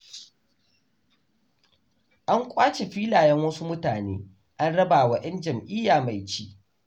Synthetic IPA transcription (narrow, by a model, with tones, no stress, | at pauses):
ʔa˦ŋkʷʼaː˦t͡ʃe˨ɸi˦laː˨jɛ˦ŋwɐ˦su˦mʊ˦taː˨nḛː˦ | ʔa˦nɽɐ˦baː˨wɐ˦ʔɐ˦nd͡ʒɐ˨mʔɪ˦jːaː˨ma˨jt͡ʃiː˦ʔ